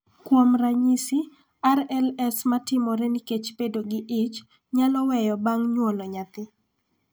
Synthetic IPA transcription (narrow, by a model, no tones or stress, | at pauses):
kwomɾaɲisi | aɾɛlɛsmatɪmɔɾɛniket͡ʃpedoɡɪʔɪt͡ʃ | ɲalɔwɛjɔbaŋɲwonɔɲat̪ɪ